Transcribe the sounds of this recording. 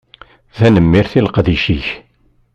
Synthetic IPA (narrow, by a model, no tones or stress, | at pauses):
θænəmːiɾθilqd̪iʃiç